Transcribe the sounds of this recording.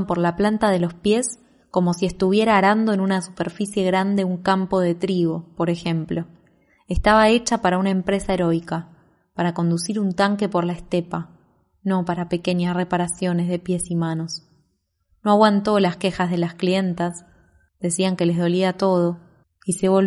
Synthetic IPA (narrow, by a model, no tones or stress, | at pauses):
mpo̞ɾlaplant̪aðe̞lo̞spje̞s | ko̞mo̞sie̞st̪uβ̞je̞ɾaːɾand̪o̞enunasu̥peɾfisje̞ɣɾand̪e̞uŋkampo̞ð̞e̞t̪ɾiɣo̞po̞ɾe̞xe̞mplo̞ | est̪aβae̞t͡ʃapaɾaunaempɾe̞sae̞ɾo̞jka | paɾako̞nd̪usiɾunt̪aŋke̞po̞ɾlaest̪epa | no̞paɾape̞ke̞ɲasre̞paɾasjo̞ne̞zð̞e̞pje̞simano̞s | no̞aɣwant̪o̞laske̞xazð̞e̞lasklie̞nt̪as | d̪̥e̞siaŋke̞lezðo̞liat̪o̞ð̞o̞ | ise̞βo̞l